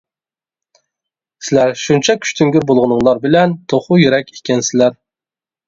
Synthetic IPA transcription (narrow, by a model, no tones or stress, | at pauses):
sɪlæɾʃunt͡ʃʰɛkʲʰy̥ʃt̪ʰyŋɡʲyɾbolˠʁʊnɨŋlˠɑɾbɪlɛnt̪ʰoχʊjyɾɛkʲikʲɛnsɪlæɾ